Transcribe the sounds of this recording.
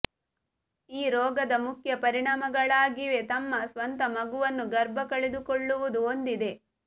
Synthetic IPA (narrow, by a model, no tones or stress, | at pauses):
iːɾɔːɡɐd̪ɐmukʰjɐpɐɾiɳaːmɐɡɐɭaːɡiʋe̞t̪ɐmːɐsʋɐnt̪ɐmɐɡuʋɐnːuɡɐɾbɐkɐɭed̪ukoɭːuʋud̪uond̪id̪e̞